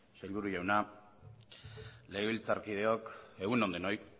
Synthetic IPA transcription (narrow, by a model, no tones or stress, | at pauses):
seʎβuɾuʝawna | le̞ːβilt͡saɾkið̞e̞o̞ke̞ɣuno̞nd̪eno̞j